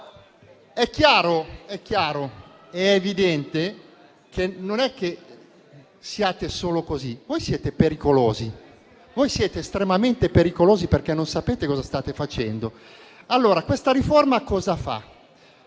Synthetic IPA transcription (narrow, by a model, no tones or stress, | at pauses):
ɛkːjaːɾoɛkːjaːɾo | ɛevid̪ɛnt̪e | kʰenonɛkːe | siaːt̪esoːlokozivojsjɛːt̪epeɾikoloːzi | vojsjɛːt̪eːst̪ɾemament̪epeɾikoloːziperkɛnːonsapeːt̪ekɔːzast̪aːt̪efat͡ʃɛnd̪o | alːoːɾakwest̪aɾiformakɔːzafa̰